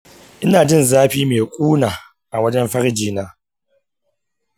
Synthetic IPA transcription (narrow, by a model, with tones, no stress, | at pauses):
ʔɪ˦naː˨d͡ʒɪ˦˨nzaː˦ɸiː˦meː˨kʷʼuː˦naː˨ | ʔa˨wɐ˦d͡ʒɛ˦mɸɐ˦ɽd͡ʒiː˦naː˦